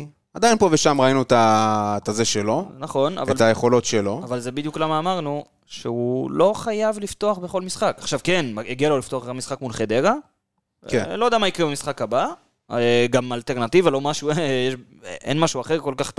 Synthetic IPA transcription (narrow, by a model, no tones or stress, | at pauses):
ad̪ajnpo̞veʃamʁainut̪at̪azeʃelo̞naχo̞na̰valt̪ajeχo̞lo̞tʃelo̞avalzebid̪juklamaːmaʁnu | ʃeulo̞χajavlift̪o̞aχbeχo̞lmisχakaχʃavke̞naeɡialo̞lifto̞aχet̪amisχakmulχed̪eʁa | kelo̞d̪amaikʁebamisχakhaba | ɡamalt̪e̞ʁnat̪ivalo̞maʃuejeʃ | ḛnmaʃuaχe̞ʁko̞lkaχt̪